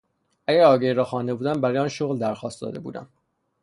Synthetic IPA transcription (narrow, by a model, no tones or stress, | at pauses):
ʔæɟæɾɒːɟejɾɒːxɒːnd̪e̞buːd̪æmbæɾɔːjɒːnʃoɣld̪æɾxɒːst̪d̪ɒ̰ːd̪ebṵːd̪æ̰m